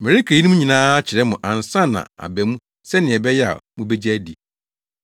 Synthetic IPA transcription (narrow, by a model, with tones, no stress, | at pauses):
mɛ̃˨ɾi˦kʰa˨ji˦nũ˦ũ˦ɲĩ˨nãː˦a˦t͡ɕʰɪ˨ɾɛ˦mʊ̃˨ʔã˨n˨sã˦nã̰˨a̰˨bɛ˨mũ˦ | sɛ˦nɪ̃˨ɛ˨bɛ˦jɛ˦a̰˨mũ˦be˦d͡ʑæ˦dḭ˨